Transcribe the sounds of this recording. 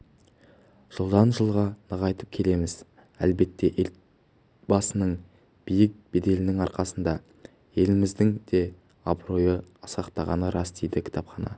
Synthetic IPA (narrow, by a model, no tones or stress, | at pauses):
ʒ̥əlˠd̪ɑnʒəlˠʁɑnəʁɑjt̪əp̚kʲʰe̞le̞mɪz̥ | ælbe̞t̪ːe̞ʔel | b̥ɑsənəɴ | b̥ijɪk̚be̞d̪e̞lɪnɪŋɑɾqɑsənd̪ɑ | je̞lɪmɪzd̪ɪŋd̪̥e̞ | ɑbɾo̞jəɑsɑqt̪ɑʁɑnəɾʔɑsd̪ejd̪ɪkʲʰɪ̥t̪ʰɑpχɑnɑ̰